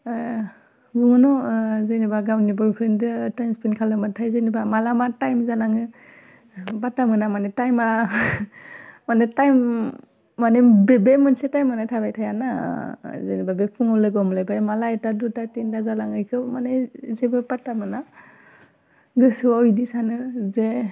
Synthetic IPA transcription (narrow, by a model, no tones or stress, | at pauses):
ɡuŋɯnɔzejnibaɡawnibɔɹpʰɾendɯtajmspʰenkʰalɯmɯtʰajzenibamalamatajmzalaŋɯ | batamɯnamanetajmaa | manetajmː | anebebemɯnsetajmːɯnatʰabajtʰajana | zenibabepʰuŋɔlɯɡɔmlajbamalaetadutatendazalaŋɯjkʰɯmanezebɯpatamɯna | ɡɯsɯaɔjdisanɯze